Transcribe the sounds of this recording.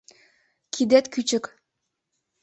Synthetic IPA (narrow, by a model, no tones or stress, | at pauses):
kʰid̪et̪kyt͡ɕɘ̆k